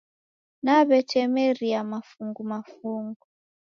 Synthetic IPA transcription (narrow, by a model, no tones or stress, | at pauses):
naβɛtʰɛmɛɾiamafuŋɡumafuŋɡu